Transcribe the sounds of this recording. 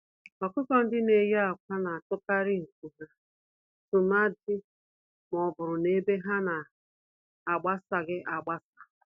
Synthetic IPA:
ɔ˨kʊ˦kɔ˦n̩˦dɪ˦ne˨ja˦a˨kʷa˦na˨a˨tʊ˦ka˦ɾɪ˦ŋ̩˨ku˨ɦa˦ | tʊ˨na˦dɪ˦ | m˨ɔ˨bʊ˨ɾʊ˨ne˦be˦ɦa˦na˨ | a˨ɡ͡ba˦sa˨ɡɪ˦ʔa˨ɡ͡ba˦sa˨

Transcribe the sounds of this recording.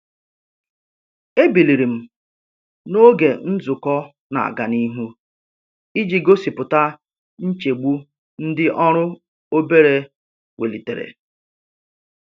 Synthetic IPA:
e˦bi˨li˨ɾi˨m̩˨ | no˦ɡe˨n̩˦zʊ˨kɔ˦ | na̰˨a̰˨ɡa˨ni˦ɦu˦ | i˦d͡ʒi˨ɡo˦si˨pʊ˨ta˦ | n̩˦t͡ʃe˨ɡ͡bu˦ | n̩˦dɪ˦ʔɔ˦ɾʊ˦ | o˦be˦ɾe˨ | we˨li˨tḛ˨ɾḛ˨

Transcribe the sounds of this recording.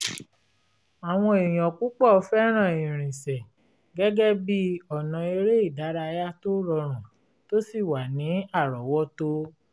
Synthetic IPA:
a˨w̃ɔ̃˧e˨j̃ɔ̃˨ku˦k͡pɔ˦˨ɔ˧fɛ˦ɾ̃ã˦˨ĩ˨ɾ̃ĩ˨sɛ˨ | ɡɛ˦ɡɛ˦bi˦ɔ˨nã˨e˧ɾe˦i˦˨da˨˦ɾa˧ja˦to˦ɾɔ˧ɾ̃ã˨ | to˦si˦˨wa˨nĩ˨˦a˦˨ɾɔ˨wɔ˦to˧˦

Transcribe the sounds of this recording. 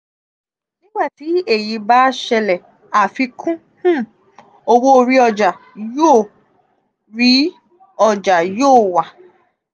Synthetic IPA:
nĩ˦ɡ͡ba˦˨ti˨˦e˦˨ji˧ba˦ʃɛ˧lɛ˨ | a˨fi˧kʰũ˦ | h̩˦˨ | o˧wo˦o˧ɾi˧˦ɔ˧d͡ʒa˨ | joː˦˨ | ɾi˨˦ | ɔ˧˨d͡ʒa˨joː˦˨wa˨

